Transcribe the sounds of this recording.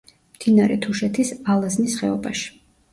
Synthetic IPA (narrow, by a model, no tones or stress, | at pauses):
md̪̥inaɾɛt̪ʰuʃɛt̪ʰisalˠaznisχɛɔbaʃi̥